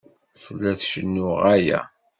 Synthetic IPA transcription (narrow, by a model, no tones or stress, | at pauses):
sˤəlːæθʃənːʊʁæjæ̰